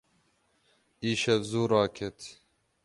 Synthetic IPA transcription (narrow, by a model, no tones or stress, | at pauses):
iːʃɛbzuːɾɑːkʰet̪